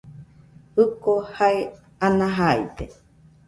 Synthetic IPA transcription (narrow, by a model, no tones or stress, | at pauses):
ɯkohae | anãɦaḭt̪e